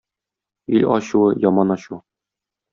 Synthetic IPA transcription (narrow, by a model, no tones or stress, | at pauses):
ilʲɒɕuɤjɒmɑnɒɕu